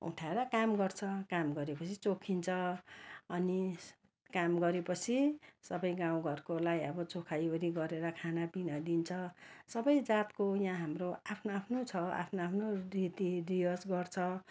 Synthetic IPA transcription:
ṵʈʰaeɾʌkamɡʌrt͡sʰʌkamɡʌɾepʌt͡sʰit͡sokʰint͡sʰʌ | ʌni | kamɡʌɾepʌt͡sʰisʌbʌjɡãw̃ɡʱʌrkolajʌbʌt͡sokʰajoɾiɡʌɾeɾʌkʰanapinʌd̪int͡sʰʌsʌbʌjd͡zat̪kojãɦamroapʰnoapʰnot͡sʰʌa̰pʰnoapʰnorit̪irijʌsɡʌrt͡sʰʌ

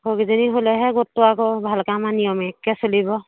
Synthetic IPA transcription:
kɔɡizeniɦolɛɦɛɡɔtːɔakɔbʱalkamanijɔmɛkːɛsolibɔ

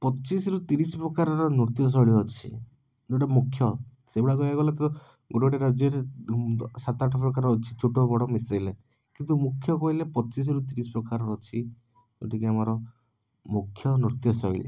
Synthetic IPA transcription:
pɔt͡ʃisɾut̪iɾisɔpɾɔkaɾɔɾɔnuɾt̪ijɔs̬ɔɭiɔt͡ʃʰḭ | d̪oʈɔmukʰːjɔsebiɽakɔjaɡɔlet̪ɔ | ɡuʈɔʈeɾad͡ʒeɾ | sat̪aʈʰɔpɾɔkaɾɔːt͡ʃʰi̥t͡ʃʰuʈɔbɔɽɔmisejle | kint̪umukʰjɔkɔɦilepɔt͡ʃis̬ɔɾut̪iɾisɔ̥pɾɔkaɾɔɾɔt͡ʃʰi | d̪o̰ʈikeamɔɾɔ | mukʰːjɔnuɾt̪jɔsɔiɭḭ

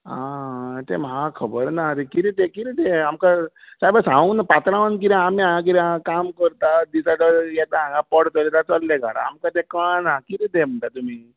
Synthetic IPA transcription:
ɦãt̪emɦãkʰəbəɾnat̪ekiɾit̪ekiɾit̪eɦəmka | t͡ʃaibəsɦãnapat̪ɾaʋank̬iɾãmẽãk̬iɾãakaːmkəɾt̪ad̪isaɖɔjet̪aãŋɡapɔɽt̪ɔlet̪at͡ʃɔlːeɡʱa̰ɽa̰ɦə̰mkat̪ekãnãkiɾit̪em̤uɳt̪at̪umẽ

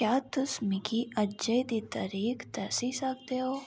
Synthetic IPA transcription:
kjaːt̪ʊsmɪkiɐd͡ʒəjd̪it̪ɐ̰ɾiːkt̪ɛːsisək̚t̪eɦoː

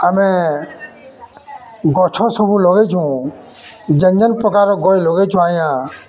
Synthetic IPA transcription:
əmẽː | ɡoːt͡ʃʰõːsəbuːloːɡeːt͡ʃʰũː | d͡ʒəɲd͡ʒənpəkaːɾoːɡoːiloːɡeːt͡ʃʰũaːjãː

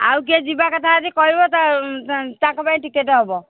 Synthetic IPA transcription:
a̰wk̬iɛd͡ʒibakɔt̪ʰaat̪ikɔɦibɔt̪a | t̪akɔpaĩʈikeʈɔɦɔbɔ

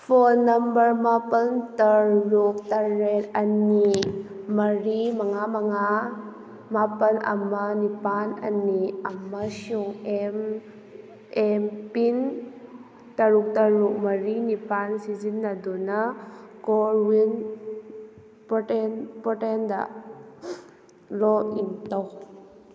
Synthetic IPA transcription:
pʰonːɐmbəɾmapɐntɐɾuk̚tɐɾetɐnimɐɾimɐŋamaŋa | mapɐnɐ̰mɐnipanɐ̰niɐmɐsuŋem | ɛmpin | t̪ɐɾuk̚t̪ɐɾuk̚mɐɾinipansizinːad̪ɔnɐkɔɾwin | pɔtɛnpɔʈɛnd̪a̰ʔ | lɔintɔw

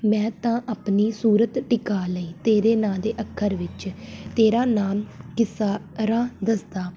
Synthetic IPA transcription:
mɛ̃ːt̪ãːʔaːpniːsuːɾət̪ʈɪkaːləiːt̪eːɾeːnãːd̪eːʔəkʰːəɾʋɪt͡ʃt̪eːɾaːnaːmkɪsaː | ɾãːd̪əsd̪aː

